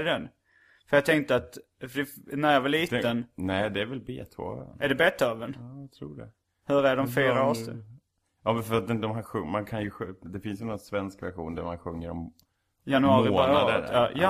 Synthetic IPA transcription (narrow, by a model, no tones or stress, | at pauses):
d̪ɛn | fœɾjɑt̪ʰɛŋt̪əat̪ | fəɖɛnæɾjɑvɑliːt̪ːənnɛːd̪ɛæɾvɛlbḛːt̪ʰvo̰ːnʔæɖɛbɛt̪ʰːəɑvənt̪ʰɾuːɖɛ̰ | hɵɾæɖɔmfeːɾaɔs | jɑːmɛnfœɾat̪̚ɛd̪ɔmɦæːɾɧɵmankʰanjɵɧd̪ɛfɪnsjɛnɔnsvɛnskvæ̰ɾɧṵːnd̪æ̰ɾmanɧɵŋːəɾɔm | janɵɑːɾɪoːnad̪ə̰ɾɑːjɑ